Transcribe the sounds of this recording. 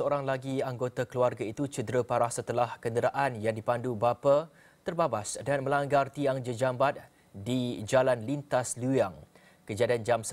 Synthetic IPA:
səoɾaŋlaɡiaŋɡot̪akəluarɡait̪ut͡ʃədɾəpaɾahsət̪əlahkəndəɾaʔanjaŋdipandubapa | t̪ərbabasdanmə̃laŋɡart̪iaŋd͡ʒəd͡ʒambat̪̚ | did͡ʒalanlint̪aslujaŋ | kəd͡ʒadiand͡ʒams

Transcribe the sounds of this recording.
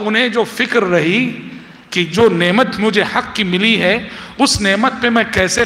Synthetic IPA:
ʊnɦẽd͡ʒoːfɪkɾːɐɦi | kid͡ʒoːnɛːmət̪mʊd͡ʒʱehɐkːimɪliɦɛʊsnɛːmət̪̚pemɛ̃kɛːse

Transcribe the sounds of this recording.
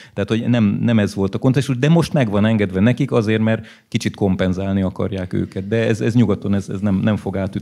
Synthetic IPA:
t̪ɛɦat̪hoɟnɛmnɛmɛzʋo̞lt̪ɒko̞nt̪ɛʃuʒd̪ɛmo̞ʃt̪mɛɡʋɒnɛŋɡɛd̪ʋɛnɛkikɒzeːrt̪mɛr | kit͡ʃit̪ko̞mpɛnzaːlniɒkɒ̰rjaːkø̰ːkɛt̪̚d̪ɛɛzɛzɲuɡɔt̪onɛzɛ̰znɛmnɛɱfo̞ɡaːt̪y

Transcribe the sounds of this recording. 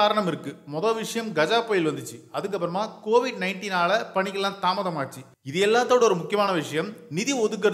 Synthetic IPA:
aːɾɐɳɐmɪɾɯkːɯmɔðɐlʋɪʂɐjɐmɡɐd͡ʒaːpoːjɪlʋɐnd̪ɯt͡ʃːɯɐðɯk̬ːɐpːɯɾɐmaːkoːʋɪɖnɐɪɳʈiːnaːlɐpɐɳɪkːɐllːãːnt̪aːmɐðɐmaːʈt͡ʃːi | ɪðɛɛlːaːt̪ːoːɽɔɾɯmʊkːɪjɐmaːnɐʋɪʂɐjɐmnɪðiɔðɯk̬ːɐɾ

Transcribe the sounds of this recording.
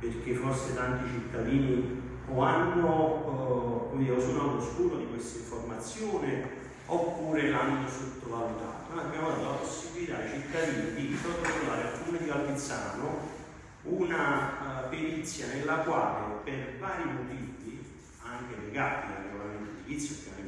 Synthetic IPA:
perk̟efːorset̪ant̪it͡ʃit̪ːad̪iːni | oanːo | iausunaːt̪oskuːɾod̪ikwest̪aiɱformat̪sːjoːnɪ | opːuːɾelanːosut̪ːovalut̪a̰ːt̪onaɾimavɔlt̪alaposːibilit̪ait͡ʃit̪ːad̪iːnid̪isot̪ːovaːɾealkːuːned̪ikalbit̪sːa̰ːno | unapiɾit̪sːjanelːakwaːlepervaːɾimot̪iːvi | aŋk̟eleɡaːt̪ilarikolament̪ed̪ilit̪sːjokːa

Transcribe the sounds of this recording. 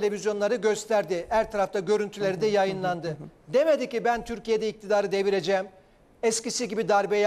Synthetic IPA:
elʲe̞vʲizjo̞nlˠaɾɯɟø̞st̪ʰæɾd̪ɪhæɾt̪ʰaɾaft̪ʰaɟø̞ɾynt̪ʰylʲe̞ɾid̪ɛjajɯnlˠand̪ɯd̪e̞me̞d̪icibænt̪ʰyɾcije̞d̪ɛic̚t̪ʰid̪aːɾɯd̪e̞viɾe̞d͡ʒɛːm | ɛscisiɟibid̪aɾbej

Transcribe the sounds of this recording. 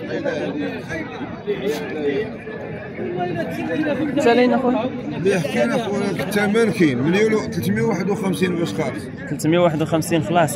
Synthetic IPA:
t̪ːælinæxun | bəəħkænæxwkə̥t̪ːæmænkinmənjult̪əlt̪mjwaħəd̪wxæmsinbʊsxɑ | t̪əlt̪mjæwaħəd̪wxæmsinxlɑsˤ

